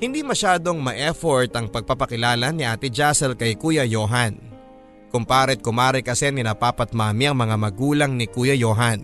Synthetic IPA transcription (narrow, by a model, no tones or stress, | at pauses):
hɪnd̪imɐʃaːd̪o̞ŋmɐʔɛfoɹt̪ɐŋpɐɡ̚papɐkɪlaːlɐnɪʔaːt̪ɪd͡ʒasɛlkɐjkujɐjoːɦan | kʊmpaːɾɪt̪̚kʊmaːɾɪkɐsɛnɪnɐpaːpɐt̪̚maːmiɐŋmɐŋamɐɡuːlɐŋnɪkuːjɐjoːɦɐn